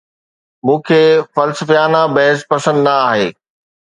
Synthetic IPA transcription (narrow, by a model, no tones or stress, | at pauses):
mũːkʰeːfɐlsəfjaːnabɐɦɪspɐsə̃nd̪ɪnɐaːɦeː